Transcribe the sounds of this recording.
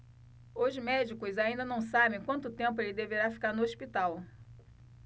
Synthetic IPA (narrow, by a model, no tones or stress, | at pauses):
ʊzmɛd͡ʒikʊzaĩnd̪ɐnɐ̃w̃sabẽj̃kwɐ̃nt̪ʊt̪ẽmp̬ʊelɪd̪eveɾafi̥kaɾnʊospit̪aw